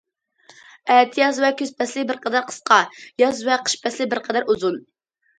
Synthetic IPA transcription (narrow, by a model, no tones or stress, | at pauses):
ɛːt̪ʰijɑzvɛkʲøz̥pɛslɪbɪɾqʰɛd̪ɛɾqʰə̥sqɑjɑzvɛqʰə̥ʃpɛslɪbɪɾqʰɛd̪ɛɾuzun